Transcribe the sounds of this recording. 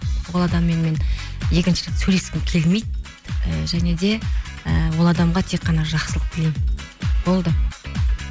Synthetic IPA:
wolˠɑd̪ɑmːe̞nme̞nje̞kʲɪnʃɪlɪksɵle̞sɪmkʲʰe̞lme̞jd̪ | əʒæne̞d̪e̞əwolˠɑd̪ɑmʁɑt̪ʰe̞k̚qːɑnɑʒɑqsəlˠəq̚b̥ɪlembo̞lˠd̪ə

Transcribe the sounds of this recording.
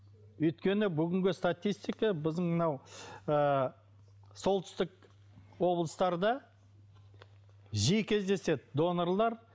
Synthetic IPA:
ɵjt̪kʲe̞nɪbʏɡʲɪŋɡʲɪst̪at̪ʲijst̪ijkɑbɪzd̪əɴmənɑwə | so̞lˠt̪ʏ̥st̪ɪk̚ | wo̞blˠəst̪ɑɾd̪ə | ʒijkʲʰe̞zd̪e̞se̞d̪ɪd̪o̞noɾlˠɑɾ

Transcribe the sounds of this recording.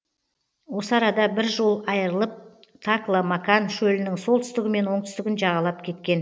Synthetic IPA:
wo̞səɑɾɑd̪ɑbɪɾʒo̞lˠɑjəɾəlˠəp̚ | t̪ʰaklˠamɑkanʃɵlɪnɪŋso̞lˠt̪ʰʏst̪ɪɡʲɪme̞nwo̞ɴt̪ʏst̪ɪɡʲɪnʒɑʁɑlˠɑpkʲʰe̞t̪kʲe̞n

